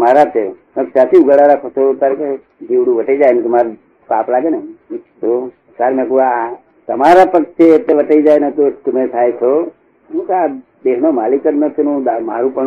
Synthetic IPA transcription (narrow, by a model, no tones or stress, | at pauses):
maɾat͡ʃʰe | məsat̪ʰiuɡəɽaɾakʰot̪ʰot̪aɾike | d͡ʒiʋɽũʋəʈed͡ʒajnet̪omaɾ | kaplaɡenet̪o | saɾmẽkua | t̪əmaɾapəkt͡ʃʰeːt̪ːeʋəʈəid͡ʒajnet̪ot̪əmẽt̪ʰajt͡ʃʰo | ũt̪a | d̪eɦnomalikəɾnət̪nũd̪amaɾũpə